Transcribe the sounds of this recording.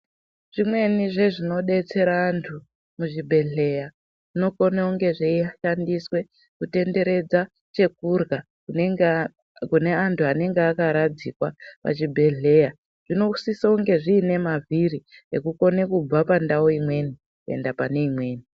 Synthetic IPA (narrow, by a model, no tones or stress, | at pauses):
ʐ̥imwe̞niʐe̞ʐino̞ɗe̞t͡se̞ɾaːntʰu | muʐibʱe̞ɮe̞ja | ʐ̥ino̞konauŋɡe̞ʐeiaʃandiswe̞ | kute̞nde̞ɾe̞d͡za | t͡ʃe̞kurɡa | kune̞antʰuane̞ŋɡeakaɾad͡zikwapa̰t͡ʃibʱe̞ɮe̞ja | ʐ̥ino̞usisauŋɡe̞ʐiːne̞maviɾiḛkuko̞ne̞kub͡vapandaoimwe̞ni | kue̞̰ndapane̞imweːni